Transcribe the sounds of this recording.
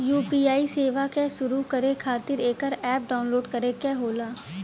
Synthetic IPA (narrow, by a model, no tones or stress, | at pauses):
juːpiːaːiseːʋakesʊɾukɐɾekʰaːt̪ɪɾeːkəɾɛːp̚ɖaːʊnloːɖkɐɾekeɦoːlaː